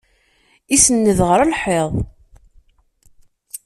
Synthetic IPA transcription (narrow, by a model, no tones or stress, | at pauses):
isənːəðʁəɾəlħeðˤ